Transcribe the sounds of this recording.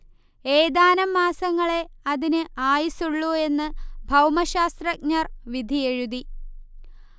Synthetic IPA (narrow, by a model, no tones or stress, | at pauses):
eːd̪aːnɐmːaːsɐŋːɐɭe̞ɐðinɨaːjisuɭːue̞nːɨbʱɐwmɐɕaːst̪rɐk̚ɲɐrʋid̪ʱijeɻud̪i